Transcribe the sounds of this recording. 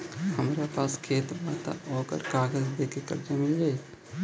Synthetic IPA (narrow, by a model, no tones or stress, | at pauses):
həmɾapaːskʰeːt̪baːt̪a̰oːkə̰ɾkaːɡəzd̪eːkekə̰ɾd͡ʒamɪld͡ʒaːi